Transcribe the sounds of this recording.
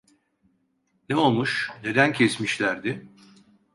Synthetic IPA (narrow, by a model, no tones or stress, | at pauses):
neo̞lˠmuʃne̞d̪æncʰesmiʃlʲæɾd̪ɪ